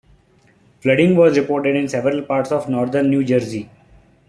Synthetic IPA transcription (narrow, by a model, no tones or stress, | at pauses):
flʌɖɪ̃ŋɡʋɔːzɾɪpoːɾʈeɖɪ̃nsɛʋəɾəlpaːɾʈsɔːʋnɔːɾd̪əɾnːjuːd͡ʒəɾzi